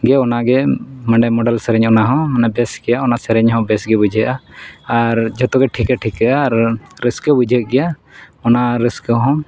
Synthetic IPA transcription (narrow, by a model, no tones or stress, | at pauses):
ɡɛɔnaɡɛmə̃ɳɖajmɔɖalsɛɾɛɲɔnaɦɔ̃ɔnabɛsɡɛjaɔnasɛɾɛɲɦɔ̃bɛsɡɛbud͡ʒʱəʔaː | ɾd͡ʒɔt̪ɔɡɛʈʰikɛʈʰikɛʔaɾɾəskəbud͡ʒʱət̪̚ɡɛja | ɔnaɾəskə̃ɦɔ̃